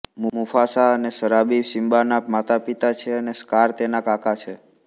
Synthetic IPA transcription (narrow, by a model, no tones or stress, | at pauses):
mumufasaənesəɾabiʋsimbanapmat̪apit̪at͡ʃʰeəneskaɾt̪enakakat͡ʃʰe